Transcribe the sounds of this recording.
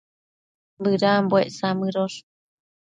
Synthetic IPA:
mbɨɾambweʔsamɨɾoʂ

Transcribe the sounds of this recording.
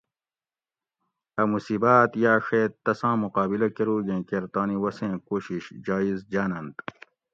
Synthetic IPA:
ɐmusiːbaːt̪jaːʂeːt̪ːɐsãːmuqaːbilɐkeɾuːɡẽːkeɾt̪aːniwɐsẽːkoːɕiɕd͡ʑaːizd͡ʑaːnɐnt̪

